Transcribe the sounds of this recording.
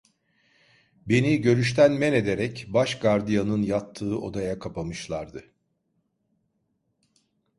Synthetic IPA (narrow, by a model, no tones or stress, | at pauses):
be̞niɟø̞ɾyʃt̪ʰænmɛne̞d̪e̞ɾɛcbaʃɡaɾd̪ijanɯnjat̪ʰːɯːʔo̞d̪ajakʰapamɯʃlˠaɾd̪ɯ